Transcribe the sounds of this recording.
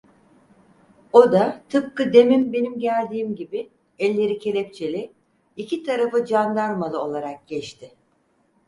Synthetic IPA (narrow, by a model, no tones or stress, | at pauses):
o̞d̪at̪ʰɯp̚kɯd̪e̞mimbe̞nimɟælʲd̪iːmɟibi | ɛlʲːe̞ɾicʰe̞lʲɛp̚t͡ʃʰe̞lʲi | icʰit̪ʰaɾafɯd͡ʒand̪aɾmalˠɯo̞lˠaɾak̚ɟɛt͡ʃt̪ʰɪ